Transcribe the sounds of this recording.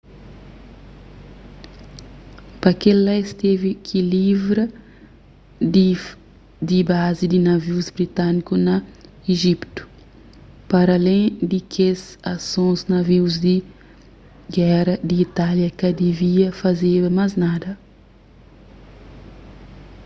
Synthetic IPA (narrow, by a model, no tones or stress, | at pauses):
pɐkellaest̪evikʰilivɾɐ | d̪ibazid̪inɐviwzbɾit̪anikunɐ | eʒipt̪u̥ | pɐɾɐlẽj̃d̪ikʰezasõznɐviwzd̪i | ɡɛɾɐd̪iːt̪aljɐkɐd̪eviɐfɐzeɾmaznad̪ɐ